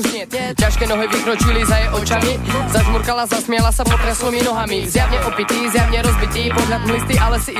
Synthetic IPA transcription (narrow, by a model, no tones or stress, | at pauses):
caʃkɛnɔɦɛvikɾɔt͡ʃilizajɛʔɔt͡ʃamizazmuɾkalazasmɪɛlasapɔt̪ɾɛslɔminɔɦamizjavɲɛʔɔpit̪iːzjavɲɛɾɔzbit̪iːpɔɦlad̪mlist̪iʔalɛsi